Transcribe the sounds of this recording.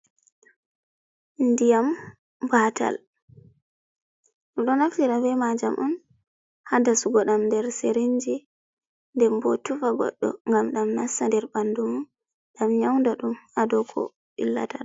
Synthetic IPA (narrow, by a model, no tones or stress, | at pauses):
ndijam | bata̰l | ɗuɗɔnaftiɗavɛmad͡ʒamʔun | hadasuɡɔɗamndɛɾseɾiɲd͡ʒi | ndɛmbɔ̰tufaɡɔ̰ɗːɔ̰ŋɡamɗamnasːandɛɾbandumu | ɗamɲawndaɗumadɔkʰɔ̰ | ʔḭlːa̰tan